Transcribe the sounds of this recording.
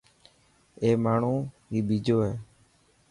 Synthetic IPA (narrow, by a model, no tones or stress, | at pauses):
eːmaːɳ̤ũː | ɦiːɓiːd͡ʒoːɦeː